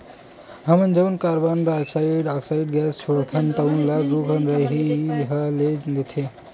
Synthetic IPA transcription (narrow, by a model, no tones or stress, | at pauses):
ɦəmənd͡ʒəʋnkaɾbanɾaːksaiɖaksaiɖɡɛst͡ʃʰoɽt̪ʰənʈ̪ənlaɾukʰənɾəɦiɦalelet̪ʰe